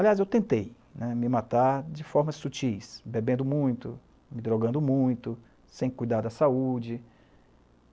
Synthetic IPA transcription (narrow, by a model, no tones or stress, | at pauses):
aliazewt̪ẽnt̪ej | nɛmɪmat̪aɾd͡ʒɪfɔɾmɐsut͡ʃijsbebẽnd̪ʊmũj̃t̪ʊ | mɪd̪ɾoɡɐ̃nd̪ʊmũj̃t̪ʊ | sẽj̃kujd̪aɾd̪ʊɐsaud͡ʒɪ